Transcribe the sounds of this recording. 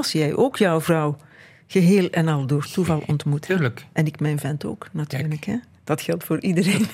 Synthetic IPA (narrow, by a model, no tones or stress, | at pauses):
lˠsjɛjʔoːkʰjɔwvrɔw | ɣəɦeːlˠɛnɑlˠdoːrtuvɑlˠɔ̰ntmutːləkʔɛnɪkmɛjnvɛnto̰ːknatʰyːrləkɦɛ | d̥ɑtxɛlˠtfoːɹʔidəreːn